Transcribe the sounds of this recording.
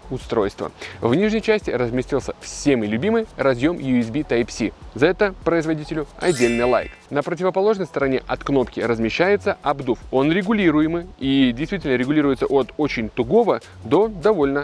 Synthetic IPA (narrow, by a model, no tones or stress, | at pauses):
ʊst̪ɾo̞̰jst̪və̰vnʲiʐnʲəjt͡ɕæsʲtʲɪɾəzmʲɪsʲtʲilˠsʲəfsʲemɨlʲʉbʲimɨjɾɐzʲjo̞mjʊɪs̬bʲit̪ajpsʲḭzɐɛt̪əpɾəɪzvɐdʲitʲɪlʲʊɐ̰dʲːelʲnɨjlˠa̰jknəpɾətʲɪvəpɐlˠo̞ʐnəjst̪əɾɐnʲḛʔɐt̪kno̞pkʲɪɾəzmʲɪɕːæjɪt̪səɐbd̪ufo̞nɾʲɪɡʊlʲiɾʊjɪmɨidʲɪjst̪vʲitʲɪlʲnəɾʲɪɡʊlʲiɾʊjɪt̪səʔot̪o̞t͡ɕɪnʲt̪ʊɡo̞və | d̪o̞d̪ɐvo̞lʲnə